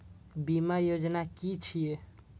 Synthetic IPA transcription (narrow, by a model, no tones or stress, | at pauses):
bimajod͡ʒnakit͡ʃʰije